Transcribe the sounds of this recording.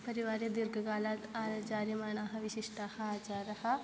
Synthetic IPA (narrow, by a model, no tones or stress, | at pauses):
pəɾɪʋaːɾed̪ɪɾɡɡaːlat̪aːɾd͡ʒaːɾimaːnaːɦʋɪʃɪʃʈahaːd͡ʒaɾɐhaː